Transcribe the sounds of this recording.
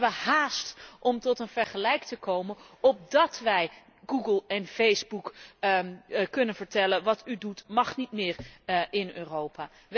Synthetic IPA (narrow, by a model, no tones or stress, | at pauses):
ʋəhaːstʔɔmtɔtənv̥ɛɹχəlɛjktəkowmənɔp̚dɑtʋɛj | ɡuɡəlˠɛnfejzbuk | kɵnənv̥əɹtɛlənʋɑtydutmɑχnitmɪːɹɪnø̰ːrowpaː